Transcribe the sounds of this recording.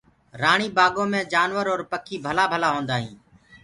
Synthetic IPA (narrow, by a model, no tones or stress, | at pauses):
ɾaːɳ̃iːbaːɡõːmẽːd͡ʒaːnʋəɾoːɾpəkʰiːbʱəlaːbʱəlaːɦõːnd̪aːɦḭ̃ː